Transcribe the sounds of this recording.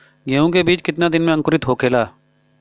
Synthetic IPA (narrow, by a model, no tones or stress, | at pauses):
ɡeːũk̬ebiːt͡ʃkɪt̪nad̪ɪnmẽɐ̃ŋkʊɾɪt̪ɦoːkʰeːlaː